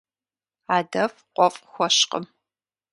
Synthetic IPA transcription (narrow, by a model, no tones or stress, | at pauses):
aːdɐfqʷʼɔfʼxʷɔɕqə̰m